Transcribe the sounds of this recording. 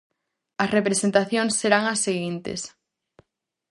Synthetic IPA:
ɐsrepɾesent̪aθjoŋsːeɾaŋɐsːeɣint̪ḛs

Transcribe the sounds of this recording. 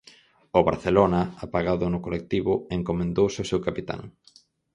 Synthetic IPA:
ʊβa̰ɾθelonɐapaɣaðʊnʊkolek̚t̪iβʊeŋkomẽnd̪owsɪosewkapit̪a̰ŋ

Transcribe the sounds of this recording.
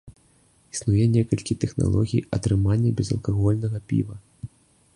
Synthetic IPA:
i̥snujɛnʲɛkɐlʲkʲit̪ɛxna̰lˠɔɣʲijɐ̰t̪ɾɨmanʲːɐbʲɛzɐ̰lˠkaɣɔlʲnɐɣɐpʲḭvɐ

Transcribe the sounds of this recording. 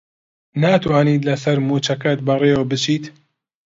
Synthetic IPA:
naːt̪waːniːt̪lɐsɐɾmuːt͡ʃɐkɐt̪̚bɐreːwəbɨt͡ʃiːt̪

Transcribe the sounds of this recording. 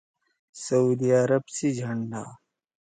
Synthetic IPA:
sɐud̪iaɾɐbsid͡ʑʱɐɳɖaː

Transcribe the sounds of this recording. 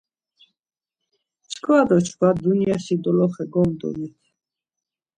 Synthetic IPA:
t͡ʃʰkʰwad̪ɔt͡ʃʰkad̪uniasid̪ɔlɔχɛɡɔmd̪ɔ̰nit̪ʰ

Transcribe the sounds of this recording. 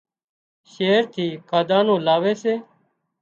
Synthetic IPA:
ʃeːɾt̪ʰiːkaːd̪ãːnõːlaːʋeːseː

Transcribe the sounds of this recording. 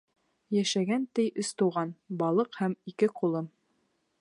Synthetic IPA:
jæʃæɡænt̪ɘjʔɘ̆st̪ŭwʁɑnbɑlˠɤqhæmikɘqulˠɤm

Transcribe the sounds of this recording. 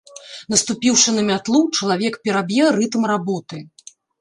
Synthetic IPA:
nɐst̪upʲiwʂɨnɐmʲat̪lˠut͡ʂɐlˠavʲɛkpʲɛɾabʲjɛɾɨt̪mrabɔt̪ɨ

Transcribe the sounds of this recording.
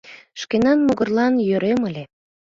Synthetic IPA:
ʃkenɑnmoɣərlɑnjøɾeməlʲe

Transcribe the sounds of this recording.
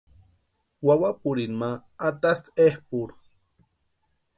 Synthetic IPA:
wawapuɾinmaːt̪ast̪ehpuɾ

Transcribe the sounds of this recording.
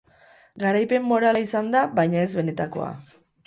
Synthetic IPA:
ɡaɾajpe̞mːo̞ɾalaisand̪aβajɲae̞zβe̞ne̞t̪ako̞̰a̰

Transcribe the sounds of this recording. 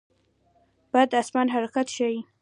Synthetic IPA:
b̥ad̪asmanɦaɾɑqat̪ʃaji

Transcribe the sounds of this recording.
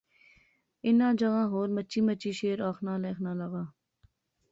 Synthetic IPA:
ɪnãːd͡ʒəɣãːɦoːɾmət͡ʃiːmət͡ʃiːʃeːɾaːxnãːleːxʰnãːləɣaː

